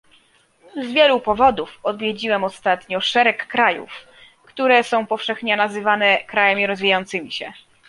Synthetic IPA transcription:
zvʲjɛlupɔvɔd̪ufɔd̪vʲjed͡ʑiwɛmɔst̪at̪ɲɔʂɛɾɛkːɾajṵf | kt̪uɾɛsɔ̃w̃pɔfʂɛxɲɔnazɘvanɛkɾajamʲiɾɔzvʲijajɔnt̪sɘmʲiɕɛ

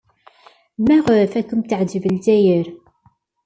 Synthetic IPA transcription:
mæʁʊɾəfækːəmt̪ʕd͡ʒəvəlzæjəɾ

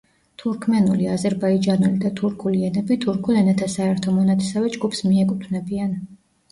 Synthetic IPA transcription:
t̪ʰuɾkʰmɛnuliazɛɾbaid͡ʒanulid̪at̪ʰuɾkʰuliɛnɛbit̪ʰuɾkʰulɛnɛt̪ʰasaɛɾt̪ʰɔmɔnat̪ʰɛ̥savɛd͡ʒɡupʰsmiɛkʼut̪ʰvnɛbian

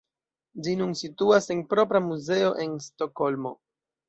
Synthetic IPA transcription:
d͡ʒinunsituase̞npɾo̞pɾamuze̞o̞ʔe̞nsto̞ko̞lmo̞̰

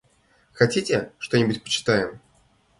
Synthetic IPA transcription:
xɐtʲitʲɪʂt̪o̞nʲɪbʊtʲpə̥t͡ɕɪ̥t̪ajɪm

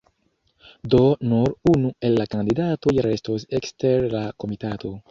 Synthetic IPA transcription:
d̪onoɾunuelːakand̪idat̪ojɾest̪oseksteɾlakomit̪at̪ʰo

